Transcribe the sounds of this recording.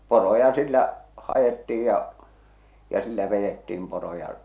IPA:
porojɑ silːæ hɑjetːiij jɑ jɑ silːæ ʋejetːiːm porojɑ

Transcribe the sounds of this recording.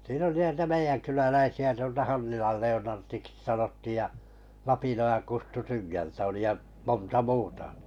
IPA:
siːn oli nitæ meijænkylælæisiæ tuoltɑ hɑnːilɑl leonɑrtiksĭ sɑnotːiˑj jɑ lɑpinojɑn kustu tynɡæltæ oli jɑ montɑ muːtɑ

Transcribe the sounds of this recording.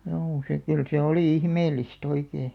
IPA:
juː se kyl se oliˑ ihmeːlːist oikeː

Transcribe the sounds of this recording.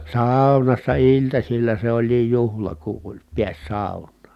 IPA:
sɑˑu̞nɑsːɑ iltɑsilːɑ se olʲliːj juhlɑ ku ʔolʲ piæs sɑˑu̞nˑɑːn̞

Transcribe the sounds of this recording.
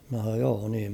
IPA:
mn̞æ h̞ɑn̞oːj joː niːm

